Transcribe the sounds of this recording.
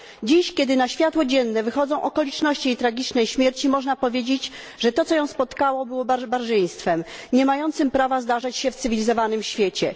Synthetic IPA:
d͡ʑiɕkʲɛd̪ɘnaɕfʲjat̪wɔd͡ʑɛnːɛvɘxɔd̪zɔ̃w̃ʔɔkɔlʲit͡ʂnɔɕt͡ɕiejt̪ɾaɡʲit͡ʂnɛjɕmʲjɛɾt͡ɕimɔʐnapɔvʲjed͡ʑed͡ʑ | ʐɛt̪ɔt̪sɔjɔ̃w̃spɔt̪kawɔbɘwɔbbaɾʐɛj̃st̪fɛmɲɛmajɔnt̪sɘmpɾavazd̪aʐat͡ɕɕɛft̪ɘvʲilʲizɔvanɘmɕfʲjet͡ɕɛ

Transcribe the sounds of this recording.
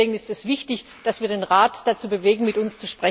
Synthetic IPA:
eːɡn̩ɪstɛsv̥ɪçtɪç | d̥asv̥iːɐdeːnʁaːtd̥at͡suːbəveːɡŋ̩mɪtʊnst͡suʃpʁ̥ɛ

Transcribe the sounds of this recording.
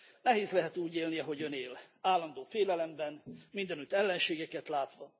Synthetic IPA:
nɛɦeːzlɛɦɛt̪uːɟeːlniɒɦo̞ɟøneːlaːlːɒnd̪oːfeːlɛlɛmbɛnmind̪ɛnyt̪ɛlːɛnʃeːɡɛkɛt̪laːt̪ʋɒ

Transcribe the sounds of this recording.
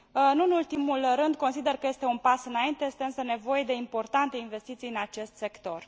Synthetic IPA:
nuɨnult̪imulrɨnd̪̚ko̞nsid̪e̞rkəje̞st̪e̞unpasɨnaint̪e̞je̞st̪eɨnsəne̞vo̞jed̪e̞impo̞rt̪ant̪e̞inve̞st̪it̪sijɨnat͡ʃe̞st̪se̞kt̪o̞r

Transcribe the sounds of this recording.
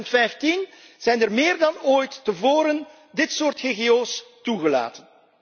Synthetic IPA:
ntfɛjftin | z̥ɛjnərmɪːrdɑnoːjtːəvoːɾən | dɪtsoːrtɣeɣeoːstuɣəla̰ːtən

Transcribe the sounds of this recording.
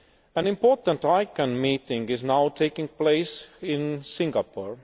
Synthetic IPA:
ə̃nɪ̃mpʰɔɹtə̃ntaɪkə̃nmiːtɪ̃ŋɪznaʊtʰeɪkɪ̃ŋpleɪsɪ̃nsɪ̃ŋɡapʰɔɹ

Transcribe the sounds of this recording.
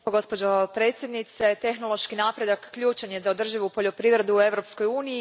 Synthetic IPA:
oɡo̞spo̞d͡ʒopɾe̞ːt̪sje̞d̪nit̪se̞t̪e̞xnolˠoʃkinaːpɾe̞d̪akːʎuːt͡ʃanjezao̞d̪r̩ʒiʋupo̞ʎo̞pɾiʋɾe̞d̪uue̞ʋɾo̞psko̞juːniji

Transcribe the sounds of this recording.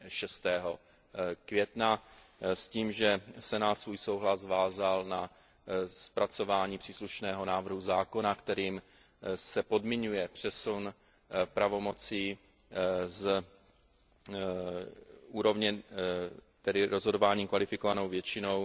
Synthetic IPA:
ʃɛst̪ɛːɦo̞ | kvjɛt̪na | sciːmʒɛsɛnaːt̪svuːjso̞wɦlazvaːzalna | spɾat͡so̞vaːɲiːpr̥iːsluʃnɛːɦo̞naːvr̩ɦuzaːko̞nakt̪ɛɾiːm | sɛpo̞dmɪɲujɛpr̝̥ɛsun | pɾavo̞mo̞t͡siː | z | uːɾo̞vɲɛ | t̪ɛdɪɾozɦo̞do̞vaːɲiːmkvalɪfɪko̞vano̞wvjɛt͡ʃɪnow

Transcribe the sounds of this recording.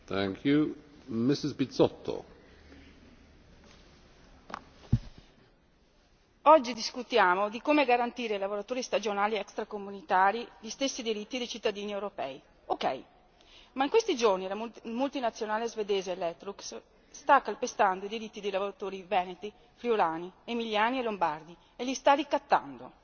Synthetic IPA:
θæ̃ŋkʰjumɪsɪzbitsɔt̪ʰːo̰ | ɔd͡ʒːid̪iskut̪jaːmod̪ikoːmeɡaɾant̪iːɾeilavoɾat̪oːɾist̪ad͡ʒonaːliɛkst̪ɾakomunit̪aːɾiʎist̪esːid̪iɾit̪ːid̪ejt͡ʃit̪ːad̪iːniewɾopɛ̰i | okɛ̰j | maiŋkwest̪id͡ʒornilamult̪inat̪sːjonaːlezved̪eːzeːlɛt̪ːɾuks | st̪akːalpest̪and̪oid̪iɾit̪ːid̪ejlavoɾat̪oːɾivɛːnet̪i | fɾiolaːniemiljaːnielombard̪i | elist̪arikːat̪ːa̰nd̪o̰

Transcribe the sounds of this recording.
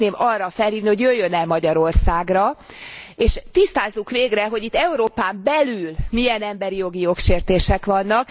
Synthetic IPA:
neːmɒrːɒfɛlhiːvniho̞ɟjøjːønɛlmɒɟɒɾo̞rsaːɡrɒ | eːʃt̪ist̪aːzːukʋeːɡrɛɦo̞ɟit̪ːɛuɾoːpaːmbɛlylmijɛnɛmbɛɾijo̞ɡijo̞kʃeːrt̪eːʃɛkʋɒnːɒk̚

